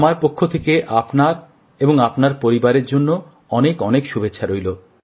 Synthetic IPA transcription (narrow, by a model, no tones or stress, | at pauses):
maɾpokʰːot̪ʰekeʔapnaɾ | eboŋapnaɾpoɾibaɾeɾd͡ʑonːo | ɔnekɔnekʃubetːɕʰaɾojlo